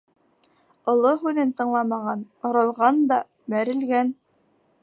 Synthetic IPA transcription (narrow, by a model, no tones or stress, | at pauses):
ŏlˠoɦʉðɘnt̪ɤ̆ɴlˠɑmɑʁɑn | ŏɾɤ̆lˠʁɑnd̪ɑ | mæɾɘ̆lɡæn